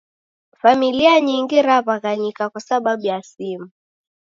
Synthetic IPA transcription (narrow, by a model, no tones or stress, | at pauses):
familiaɲiŋɡiɾaβaɣaɲikakwasaɓaɓujasimu